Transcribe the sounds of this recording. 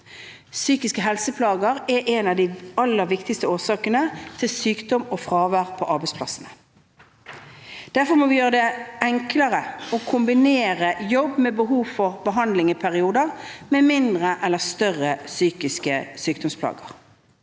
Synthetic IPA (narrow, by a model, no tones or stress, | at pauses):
syːkɪskəɦɛlsəpʰlɑːɡəʁɛʔɛnɑd̪ɪɑlːəɾʋɪkt̪ɪkst̪əoːsɑːkənət̪ʰɪlsyːkd̪ɔmofʁɑːʋæːʁpʰɔʔɑɾbɛɪspʰlɑ̰sənə | d̪̥æʁfɔɾmɔʋɪjøːʁəd̪ɛɛŋkləʁəɔkʰʊmbɪneːʁəjɔbːmeːbəɦuːfɔʁbəɦɑnd̪lɪŋəpʰæʁɪuːd̪əʁmeːmɪnd̪ʁəʔɛlːəst̪œʁəsyːkɪskəsyːkd̪ɔmspʰlɑ̰ːɡəʁ